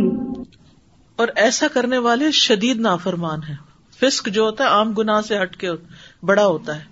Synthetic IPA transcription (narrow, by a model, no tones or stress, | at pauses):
ɔːɾɛːsakɐɾneʋaːleʃɐd̪iːd̪naːfəɾmaːnɦɛ̃ː | fɪskd͡ʒoːɦoːt̪aɦɛaːmɡʊnaːɦseɦɐʈkeobɐɽaɦoːt̪aɦɛː